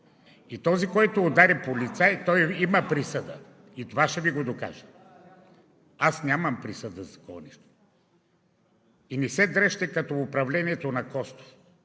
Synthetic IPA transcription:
it̪ɔzikɔjt̪oːd̪aɾɛpolit̪sajt̪ɔjimɐpɾisəd̪ə | it̪ovaʃɛviɡod̪oka̰ʒə̥ | asnʲamɐmpɾisəd̪əzɐkɔɐniʃt̪o̥ | inɛsɛd̪ɾɛʃt̪ɛkɐt̪ɔʊpɾɐvlɛniɛt̪onɐkɔst̪o̥

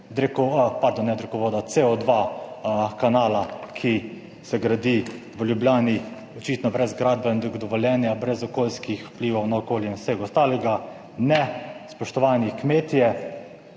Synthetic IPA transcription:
d̪ɾɛkɔpaɾd̪onːɛd̪ɾɛkɔʋoːd̪at̪seɔd̪ʋa | kanaːlakʰi | sɛɡɾad̪i | ʋəljubljaːni | ɔt͡ʃit̪nɔbɾɛzɡɾaːd̪̚bɛnd̪ɔɡd̪ɔʋɔlʲjɛːnjabɾɛzɔkoːlskixwpliːʋɔwnaɔkoːljiinsɛɡɔst̪aːlɛɡa | nɛspɔʃt̪ɔʋaːnikmeːt̪jɛ

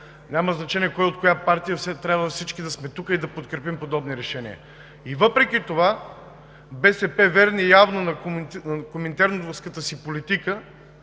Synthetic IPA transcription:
nʲamɐznɐt͡ʃɛnʲiɛkɔjot̪̚kojapaɾt̪ijəsɛt̪ɾʲabvəfsit͡ʃkid̪ɐsmɛt̪ukəid̪ɐpot̪̚kɾɛpimpod̪ɔbniɾɛʃɛnʲḭə̰ | ivɤpɾɛkit̪ova | bɛsɛpɛvɛɾnijavnonɐknɐkomɛnt̪ɛɾnod̪vəskət̪əsipolit̪ikə

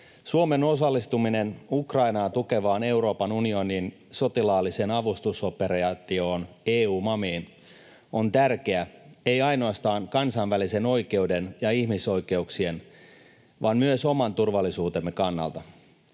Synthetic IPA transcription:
suome̞no̞sɑlːist̪umine̞nukrɑinɑːt̪uke̞ʋɑːne̞uwɾo̞ːpɑnunio̞niːn | so̞t̪ilɑːlːise̞nɑʋust̪uso̞peɾɑt̪io̞ːneːuːmɑmiːn | o̞nt̪ærkeæe̞jɑjno̞ɑst̪ɑːŋkɑnsɑnʋælise̞no̞jke̞wde̞njɑihmiso̞jke̞uksie̞n | ʋɑːnmyøso̞mɑnt̪urʋɑlːisuːt̪emːekɑnːɑ̰lt̪ɑ

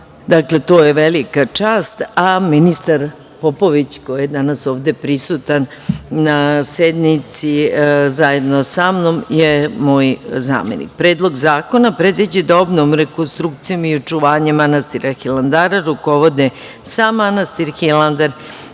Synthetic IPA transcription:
d̪akle̞t̪o̞ːjeʋelikat͡ʂaːst̪aminist̪aɾ | po̞po̞ʋit͡ɕko̞jijed̪anaso̞ːʋd̪e̞pɾisut̪anːased̪nit̪sizaje̞d̪nosamno̞mjemo̞ːjza̰ːme̞̰nḭk̚pɾe̞ːd̪lˠo̞ɡzaːko̞napɾe̞d̪ʋid͡ʑed̪obnomɾeko̞nst̪ɾuk̚t̪sijo̞miot͡ʃuʋaːɲemːanast̪iɾaxiland̪aːɾaɾuko̞ʋo̞d̪e | samːanast̪iɾxiland̪aɾ

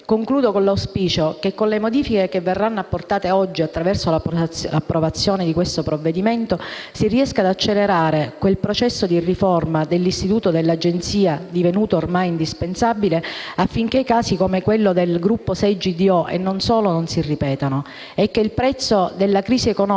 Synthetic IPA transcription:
koŋkluːd̪okonlawspiːt͡ʃokekːonlemod̪iːfikekevːerːanːoapːort̪aːt̪eɔd͡ʒːiat̪ːɾavɛrsolalapːɾovat̪sːjoːned̪ikwest̪opɾovːed̪iment̪osiriɛskaːd̪at͡ʃːeleɾaːɾekwelpɾot͡ʃɛsːod̪irifɔrmad̪elːist̪it̪uːt̪od̪elːad͡ʒent̪siːad̪ivenuːt̪oːrmajind̪ispensabileafːiŋk̟ekaːsikomekwelːod̪elɡɾupːosɛd͡ʒid̪iɔʔḛnːonsoːlononsirːipɛːt̪ano | ɛkːeilpɾɛt̪sːod̪elːakɾiːsiekonɔ

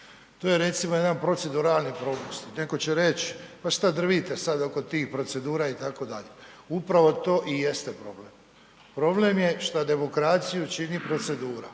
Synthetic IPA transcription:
t̪oːjeɾe̞t̪simoje̞d̪anpɾo̞t̪se̞d̪uɾaːlˠnipɾopust̪ineko̞t͡ɕe̞ɾe̞t͡ɕpaʃt̪ad̪r̩ʋit̪esad̪o̞ko̞t̪iːxpɾo̞t̪se̞d̪uːɾait̪ako̞d̪aʎeupɾaʋo̞t̪o̞ːʔijest̪e̞pɾo̞̰ble̞m | pɾo̞ble̞mje̞ʃt̪ad̪e̞mo̞kɾaːt̪sijut͡ʃinipɾo̞t̪se̞d̪uːɾa̰

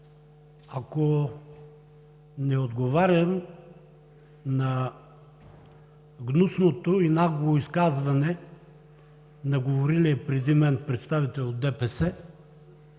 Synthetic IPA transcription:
ako | nɛod̪ɡovaɾʲjɐm | nɐ | ɡnusnot̪oinaɡvoiskazvɐnɛ | nɐɡovoɾiliɛpɾɛd̪imɛnpɾɛt̪st̪avit̪ɛlod̪ɛpɛsɛ

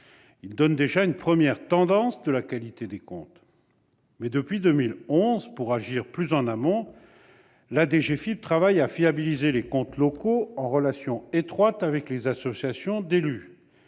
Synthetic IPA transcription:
ild̪ɔnd̪eʒaynpχəmjɛʁt̪ɑ̃d̪ɑ̃sd̪əlakalit̪ed̪ekɔ̰̃t̪ | mɛd̪əpɥid̪ømilɔ̃zpuʁaʒiʁplyzɑ̃namɔ̃ | lad̪eʒefip̚t̪χavajafiabilizelekɔ̃t̪lɔkoɑ̃ʁəlasjɔ̃et̪χwat̪avɛklezasɔsjasjɔ̃d̪ely

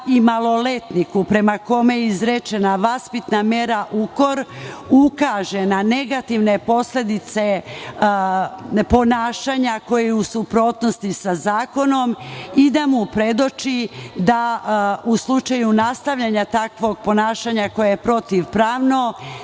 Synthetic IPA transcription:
imalˠo̞le̞t̪nikupɾe̞mako̞mejizɾet͡ʃe̞naʋaspit̪name̞ɾaʔuko̞ɾukaʒe̞nane̞ɡat̪iʋne̞po̞sle̞d̪it̪se̞ | po̞naːʃaːɲako̞jeusupɾo̞ːt̪no̞st̪isazaːko̞no̞mid̪amupɾe̞d̪ot͡ʃid̪auslˠut͡ʃajunast̪aʋʎaɲat̪akʋo̞ɡ̚po̞naːʃaɲako̞jajepɾo̞t̪iʋpɾaːʋno̞

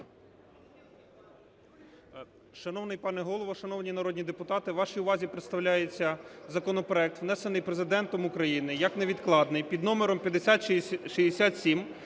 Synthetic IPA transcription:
ʃɐnɔwnɪjpɑnɛɦɔlˠɔʋɔʃɐnɔwnʲinɐɾɔdʲnʲid̪epʊt̪ɑt̪ɪʋɑʃijʊʋɑzʲipɾet̪st̪ɐwlʲajet͡sʲːɐzɐkɔnɔpɾɔɛk̚t̪ʋnɛsenɪjpɾezɪd̪ɛnt̪ɔmʊkɾɐjinɪjɐkneʋʲid̪klˠɑd̪nɪjpʲid̪nɔmeɾɔmpʲjɐd̪esʲat̪ʃid̪esʲat̪sʲim

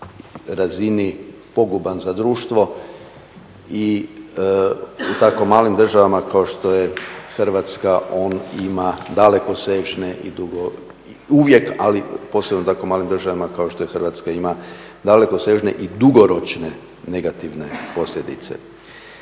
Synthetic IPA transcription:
ɾazinipo̞ɡubanzad̪ɾuːʃt̪ʋo̞ | i | ut̪ako̞maːlimd̪r̩ʒaʋamakao̞ʃt̪o̞jexrʋat̪skaʔo̞ːnimad̪ale̞ko̞seːʒneʔḭd̪uɡo | uʋje̞ka̰lipo̞ːsenout̪akomaːlimd̪ɾrʒaʋamakao̞ʃt̪ojexərʋat̪skaima | d̪ale̞ko̞se̞ʒne̞̰ʔid̪uɡo̞ɾo̞t͡ʃne̞ | ne̞ɡat̪iʋne̞po̞sljed̪ḭt̪se̞̰

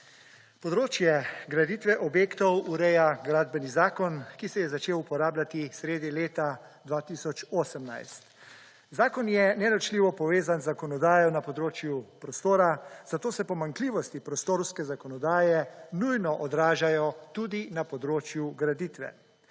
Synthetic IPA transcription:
pɔd̪ɾoːt͡ʃjɛɡɾad̪it̪ʋɛʔɔbjeːkt̪ɔwuɾɛjaɡɾaːd̪bɛnizaːkɔnkisɛjɛzat͡ʃeːwupɔɾaːblat̪isɾeːd̪ileːt̪a | d̪ʋaːt̪isɔt͡ʃoːsəmna̰jst̪ | zaːkɔnjɛnɛɾɔt͡ʃliːʋɔpɔʋeːzanzakɔnɔd̪aːjɔnapɔd̪ɾoːt͡ʃjupɾɔst̪oːɾaz̥at̪oːsɛpɔmaŋkliːʋɔst̪ipɾɔst̪oːɾwskɛzakɔnɔd̪aːjɛnujnɔʔɔd̪ɾaːʒajɔt̪uːd̪inapɔd̪ɾoːt͡ʃjuɡɾad̪it̪ʋɛ̰

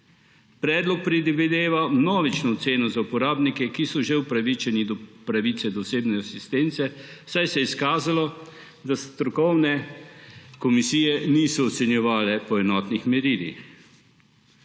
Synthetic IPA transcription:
pɾɛːd̪lɔk̚pɾid̪ʋid̪eːʋamnɔːʋit͡ʃnɔɔt̪seːnɔzaupɔɾaːbnikɛkisɔʒewpɾaʋit͡ʃɛnid̪ɔpɾaʋiːt̪sɛd̪ɔseːbnɛasist̪eːnt̪sɛwsajsɛiskaːzalɔ | d̪ast̪ɾɔkɔwnɛ | kɔmisiːjɛniːsɔːt̪sɛnjɛʋaːlɛpɔɛnɔːt̪nixmɛɾiːlḭx

